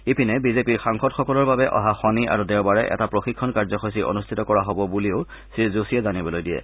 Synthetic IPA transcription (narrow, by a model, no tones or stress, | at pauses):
epinɛbizepiɹxaŋxɔtxɔkɔlɔɹbabɛʔɔ̰ɦaxɔnia̰ɹudɛʊbaɹɛ̰ʔɛ̰tapɹoxikʰːɔnkaɹzɔxojsiʔo̰nustʰitɔkɔɹaɦɔbɔbulio | sizosijɛzanibɔlojdijɛ̰